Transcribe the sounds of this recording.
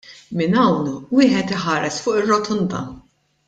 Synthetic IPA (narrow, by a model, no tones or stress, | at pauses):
mɪnɐwnwɪːħɛt̪ɪħɐːɾɛsfʊːʔɪrːɔt̪ʰʊnd̪ɐ̰